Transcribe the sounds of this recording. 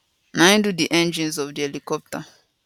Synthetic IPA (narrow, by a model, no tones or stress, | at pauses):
nãɪ̃dudiʔɛ̃nd͡ʒĩnzɔvdiɛlikɔp̚ta